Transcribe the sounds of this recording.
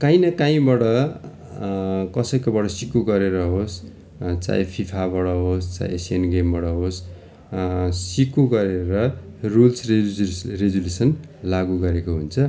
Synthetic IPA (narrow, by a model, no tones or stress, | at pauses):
kaĩnʌkaĩbʌɽʌ | kʌsʌjkobʌɽʌsikoɡʌɾeɾʌɦos | t͡sa̰j̃pʰipʰabʌɽʌɦost͡sa̰j̃esienɡembʌɽʌɦos | sikuɡʌɾeɾʌrulsrereɡulesʌnlaɡuɡʌɾekoɦunt͡sʰʌ